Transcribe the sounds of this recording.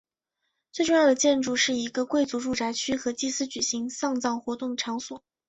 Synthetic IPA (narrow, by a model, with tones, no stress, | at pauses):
t͡swe˥˧ɪʈ͡ʂʊ˥˧jɑ˥˩d̪ə˩t͡ɕjɛ˥˧nʈ͡ʂu˥˧ʂɻ̩˥˩i˧˥ɡə˧kwe˥˩ɪt͡su˧˥ʈ͡ʂu˥˩ʈ͡ʂa˧˥ɪt͡ɕʰy˥xɤ˧˥t͡ɕi˥˧sɹ̩˥t͡ɕy˨˩ɕi˧˥ŋsɑ˥˧ŋt͡sɑ˥˩ŋxwɔ˧˥t̪ʊ˥˩ŋʈ͡ʂʰɑ˧˥ŋswɔ˨˩˦